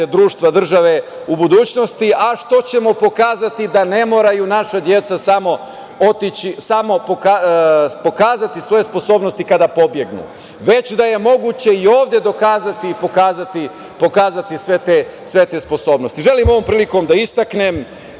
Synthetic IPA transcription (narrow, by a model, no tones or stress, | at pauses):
ed̪ɾuːʃt̪ʋad̪r̩ʒaʋe | ubud̪uːt͡ɕno̞st̪iʔaʃt̪o̞t͡ɕemo̞po̞kaːzat̪id̪ane̞mo̞ːɾajunaʃad̪je̞t̪sasamo̞ | ot̪it͡ɕisamo̞pokapo̞kaːzat̪isʋo̞je̞spo̞so̞ːbno̞st̪ikad̪apo̞bje̞ɡnṵ | ʋe̞t͡ɕd̪aje̞mo̞ɡut͡ɕe̞io̞ːʋd̪je̞d̪o̞kaːzat̪ipokaːzat̪i | po̞kaːzat̪isʋet̪esʋe̞t̪e̞spo̞so̞ːbno̞st̪iʒe̞limo̞ʋo̞mpɾiːliko̞md̪aist̪aknem